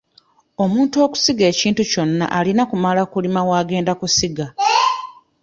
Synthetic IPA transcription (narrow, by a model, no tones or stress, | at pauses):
o̞muːntuo̞ːku̥siɡe̞ːciːntuco̞nːa̰ʔalinakumalakulimawaːɡe̞ːndakusiɡa